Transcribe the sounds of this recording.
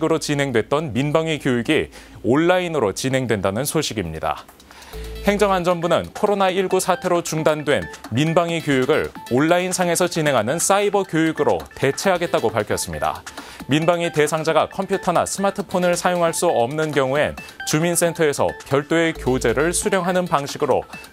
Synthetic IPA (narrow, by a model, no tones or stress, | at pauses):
ɡɯɾot͡ɕinɦe̞ŋdwe̞t̚t͈ʌnminbaŋikjojiɡi | oɭːainɯɾot͡ɕinɦe̞ŋdwe̞ndanɯnsʰoɕʰiɡimɲida̰ | he̞ŋd͡ʑʌŋɦand͡ʑʌmbunɯnkʰoɾonaiɭɡusʰatʰe̞ɾot͡ɕuŋdandwe̞nminbaŋikjojuɡɯɭoɭːainsʰaŋe̞sʰʌt͡ɕinɦe̞ŋɦanɯns͈aibʌkjojuɡɯɾo̰te̞t͡ɕʰe̞ɦaɡet̚t͈aɡopaɭkʰjʌs͈ɯmɲida̰minbaŋite̞sʰaŋd͡ʑaɡakʰʌmpʰjutʰʌna̰sʰɯmatʰɯpʰonɯɭsʰajoŋɦaɭs͈uʌmnɯnkjʌŋue̞̰nt͡ɕumins͈ʰe̞ntʰʌe̞sʰʌ̰kjʌɭt͈oe̞kjod͡ʑe̞ɾɯɭsʰuɾjʌŋɦanɯnpaŋɕʰiɡɯɾo̰